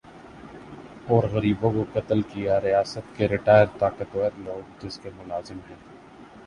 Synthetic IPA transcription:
ɔːɾɣɐɾiːbõkokɐt̪əlkijaɾijaːsət̪̚keɾɪʈaːjəɾt̪aːkət̪ʋɛːɾloːɡ̚d͡ʒɪskemʊlaːzɪmɦɛ̃ː

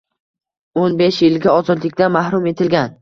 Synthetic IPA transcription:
onbeʃjɪlɡʲaɒzɒd̪lɪkʲt̪anmahɾʊme̞t̪ʰɪlɡʲan

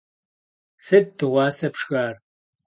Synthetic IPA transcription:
sɐd̚tɨʁʷɑːsɐpʂxaːr

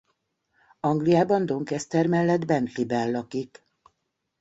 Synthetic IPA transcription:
ɒŋɡlijaːbɒnd̪o̞ŋkɛst̪ɛrmɛlːɛd̪bɛnt̪libɛllːɒkik

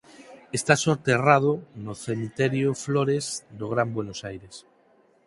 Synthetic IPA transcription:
est̪asoɾt̪erað̞onoθemit̪eɾjofloɾezd̪oɣɾambwenosajɾes

